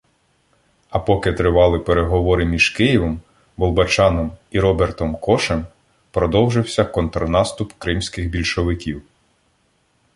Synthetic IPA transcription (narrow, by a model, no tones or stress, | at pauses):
ɐpɔkɪt̪ɾɪʋɑlˠɪpeɾeɦɔʋɔɾɪmʲiʒ̥kɪjiʋɔm | bɔlˠbɐt͡ʃɑnɔmiɾɔbɛrt̪ɔmkɔʃɛm | pɾɔd̪ɔwʒɪwsʲɐkɔnt̪ɾɔnɑst̪ʊpkɾɪmsʲkɪxbʲilʲʃɔʋɪkʲiw